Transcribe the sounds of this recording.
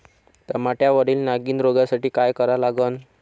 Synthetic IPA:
t̪əɾmaʈjaʋəɾiːlnaɡiːnɾoɡasaʈiːkajkəɾalaɡən

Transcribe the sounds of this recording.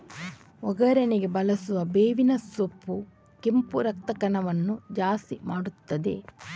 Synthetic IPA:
ɔɡɐɾɐneɡebɐlɐsuʋɐbeːʋinɐsopːu | kempuɾɐk̚t̪ɐkɐnɐʋɐnːud͡ʒaːst̪imaːɽut̪ːɐd̪ḛ

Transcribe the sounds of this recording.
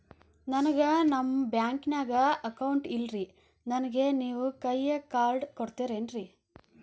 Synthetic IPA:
nɐnɐɡɐnɐmːbjaːŋkinaːɡɐɐkɐwɳʈilɾi | nɐnɐɡe̞niːʋukɐjːekaːɾɖkoɽt̪iːɾeːnɾi

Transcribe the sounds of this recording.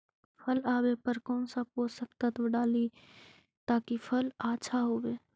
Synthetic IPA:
pʰəlaːwepəɾkɔːnsap̚oːsəkt̪at̪ʋəɖaːli | t̪aːkipʰəlaːʃʰaɦoːweː

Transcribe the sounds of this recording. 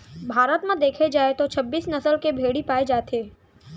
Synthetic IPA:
bʱaːɾət̪mẽd̪eːkʰed͡ʒaːet̪ot͡ʃʰɐbːiːsnɐsəlkebʱeːɽipaːed͡ʒaːt̪ʰeː

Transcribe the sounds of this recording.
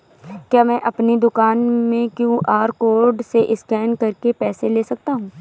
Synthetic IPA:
kjaːmɛ̃ːʔɐpnid̪ʊkaːnmẽkjũːʔaːɾkoːɾɖseʔɪskɛːnkɐɾkepɛːseleːsɐk̚t̪aɦũː

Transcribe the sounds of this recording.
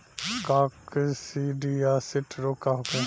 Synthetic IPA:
kaksiɖiaːsɪʈʰɾokaɦʊkũ

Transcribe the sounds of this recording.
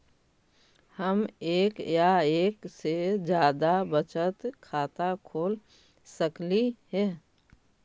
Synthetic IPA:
həmeːkjaeːksed͡ʒjaːd̪abət͡ʃət̪kʰaːt̪akʰoːl | səkliɦɛ̃ː

